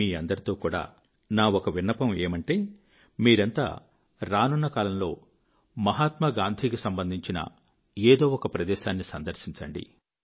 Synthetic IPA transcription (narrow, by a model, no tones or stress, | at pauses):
iːɐnd̪ɐɾit̪oːkuːɽa̰ː | naːokɐʋinːɐpɐmeːmɐɳʈeː | miːɾɐnt̪a̰ː | ɾaːnunːɐkaːlɐmlo̞ː | mɐɦaːt̪mɐɡaːnd̪ʱiːkusɐmbɐnd̪ʱiɲt͡ʃinɐ̰ | eːd̪o̞ːɔkɐpɾɐd̪ɛːʃaːnːisɐnd̪ɐɾsiɲt͡ʃɐɳɖḭ